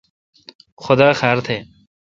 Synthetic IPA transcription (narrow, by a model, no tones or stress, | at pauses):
xʊd̪aːxaːɾt̪ʰeː